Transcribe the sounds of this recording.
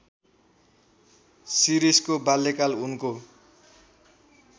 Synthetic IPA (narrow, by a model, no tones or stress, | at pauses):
siɾiskobalːekalunko